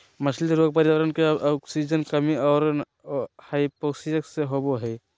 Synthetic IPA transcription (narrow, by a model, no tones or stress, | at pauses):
məsʰliɾoːɡ̚pəɾiəɾənkeɔksid͡ʒənkəmiɔːɾ | haipoksid͡ʒəkseɦoboɦɛ